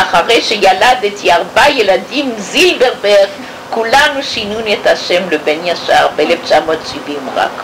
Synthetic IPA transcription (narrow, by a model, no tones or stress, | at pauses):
ʔaχaʁejʃejaladet̪ʰiaʁbajeladimzilbeʁbeʁ | kulanuʃinunethaʃemlebenjaʃa̰ʁbeeleft͡ʃamot̪ʃivimʁa̰k